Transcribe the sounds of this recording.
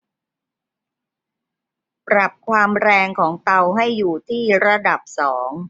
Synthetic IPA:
pɾa˨˩p̚kʰwaː˧mɾɛː˧ŋkʰɔː˩˦ŋt̪a˧wɦa˥˩jːuː˨˩t̪ʰiː˥˩ɾa˧da˨˩p̚sɔː˩˦ŋ

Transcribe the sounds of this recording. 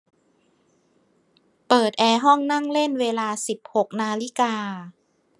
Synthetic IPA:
pɤː˨˩t̪̚ʔɛː˧ɦɔ˥˩ŋna˥˩ŋle˥˩˨nweː˧laː˧si˨˩p̚ho˨˩k̚naː˧li˦˥˩kaː˧

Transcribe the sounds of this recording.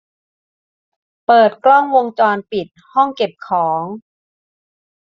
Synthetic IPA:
pɤː˨˩t̪̚klɔ˥˩ŋwo˧ŋt͡ɕɔː˧npi˨˩t̪̚hɔ˥˩ŋke˨˩p̚kʰɔː˩˦ŋ

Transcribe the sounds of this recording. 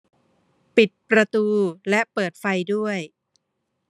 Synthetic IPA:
pi˨˩t̪̚pɾa˧t̪uː˧lɛ˦˥ʔpɤː˨˩t̪̚fa˧jdu˥˩əj

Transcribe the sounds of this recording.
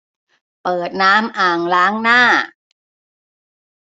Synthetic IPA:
pɤː˨˩t̪̚naː˦˥mʔaː˨˩ŋlaː˦˥ŋnaː˥˩

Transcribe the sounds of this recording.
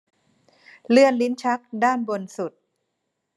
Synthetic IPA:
lɯ˥˩ənli˦˥nt͡ɕʰa˦˥k̚daː˥˩nbo˧nsu˨˩t̪̚

